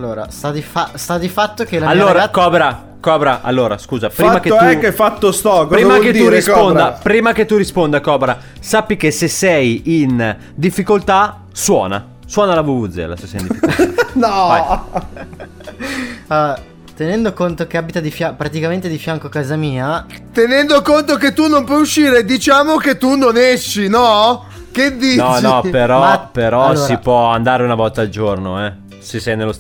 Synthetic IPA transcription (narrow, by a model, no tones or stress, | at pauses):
alːoːɾa̰st̪ad̪ifast̪ad̪ifat̪ːok̟elːamalːoːɾakɔbɾa | kɔbɾaʔa̰lːoːɾa̰skuːzapɾiːmakeɛkːefat̪ːost̪ɔkːpɾːmaketd̪uɾispond̪apɾiːmaket̪ːuɾispond̪akɔːbɾa | sapːikesesːɛjin | d̪ifːikolt̪a | swɔːna̰ | swɔːnalavuvud̪zḛla̰ssɛ̰indifinɔa | a | t̪enɛnd̪okont̪ok̟eaːbit̪ad̪ifjapɾat̪ikament̪ed̪ifjaŋkoakaːzamiːat̪enɛnd̪okont̪ok̬et̪ːunompwɔjuʃːiːɾed̪it͡ʃaːmoket̪ːunoneʃːinɔ | ked̪ːiːnɔnɔpeɾɔpeɾɔalːosɾipwɔand̪aːɾeunavɔlt̪aːld͡ʒornoɛ | sesɛjnelːos